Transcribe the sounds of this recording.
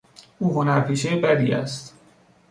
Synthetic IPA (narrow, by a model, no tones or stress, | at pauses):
uːɦonæɾpʰiːʃejebæd̪ḭːæ̰st̪